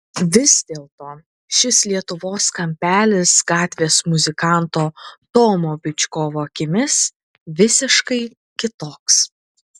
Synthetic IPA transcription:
ʋʲɪz̥d̪ʲeːlˠt̪oː | ʃʲɪslʲiɛt̪ʊʋoːskɐmʲpʲæːlʲɪsɡɑːt̪ʲʋʲeːsmʊzʲɪkɑˑnt̪oːt̪oːmoːbʲɪt͡ʃʲkoːʋoːkʲɪmʲɪs | ʋʲɪsʲɪʃkɐɪ | kʲɪt̪oːks

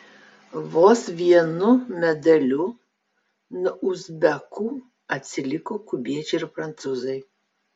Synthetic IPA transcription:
ʋoːsʋʲiɛnʊmʲɛd̪ɐlʲu | nɐʔuzbʲɛkʰuː | ɐt̪ʲsʲɪlʲɪkoːkʊbʲiɛt͡ʃeɪɾpɾɐnt̪suːzɐj

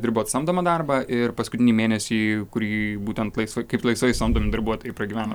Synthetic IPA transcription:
d̪ʲɪɾboːt̪sɐmd̪oːmɐd̪ɐrbɐʔɪrpɐskʊt̪ʲɪnʲimʲeːnʲɛsʲiːkʊɾʲiːbuːt̪ʲɛnt̪lˠɐɪsʋɐɪkɐɪplˠɐɪsʋɐɪsɐmd̪oːmʲɪd̪ɐɾbuɔt̪oːjɛɪprɐɡʲiːʋʲæːno

